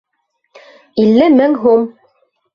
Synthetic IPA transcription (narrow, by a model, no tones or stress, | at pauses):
ilːɘmɘŋɦum